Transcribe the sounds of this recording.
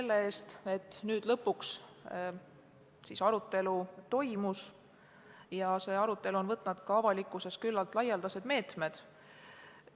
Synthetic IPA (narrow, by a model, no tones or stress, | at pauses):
selːee̞ːst̪e̞t̪ːˑnyːd̪̥lɤpːuks | sisɑɾut̪ːˑe̞lut̪o̞jmus | jɑse̞ːɑɾut̪ːˑe̞luo̞nvɤt̪ːˑnɑd̪̥kɑɑvɑlikːˑuse̞skylːɑlt̪ˑlɑjɑld̪̥ɑse̞d̪̥me̞ːt̪me̞d̪̥